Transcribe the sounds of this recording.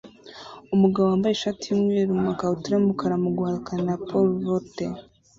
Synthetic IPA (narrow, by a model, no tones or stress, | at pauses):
umuɡaβoaːmbajeʃatijumŋeːɾumakautuɾemukʰaɾamuɡwaːɾukanapʰolɾote